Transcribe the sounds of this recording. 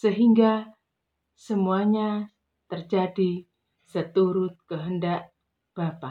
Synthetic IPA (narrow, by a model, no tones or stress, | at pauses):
səɦiŋɡa | səmuaɲa | t̪ərd͡ʒadi | sət̪uɾʊt̪̚kəɦəndaʔ | b̥apa